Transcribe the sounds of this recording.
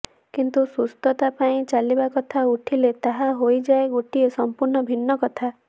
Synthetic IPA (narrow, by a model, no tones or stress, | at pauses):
kint̪usust̪ɔt̪apaĩt͡ʃalibakɔt̪ʰauʈʰilet̪aɦaɦojd͡ʒaeɡoʈʰiesɔmpuɾɳɔbʱinːɔkɔt̪ʰa